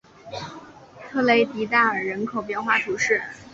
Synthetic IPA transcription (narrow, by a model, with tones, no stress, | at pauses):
t̪ʰɤ˥le˧˥ɪt̪i˧˥t̪a˥˩ə˞˨˩ɻə˧˥nkʰo˨˩ʊp̬jɛ˥˧nxwa˥˩t̪ʰu˧˥ʂɻ̩˥˩